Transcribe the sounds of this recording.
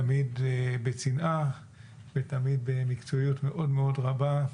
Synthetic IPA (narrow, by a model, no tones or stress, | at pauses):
amid̪bet͡sinʔa | vet̪amid̪̚bemikt͡soijut̪me̞ʔo̞dmeo̞dʁaba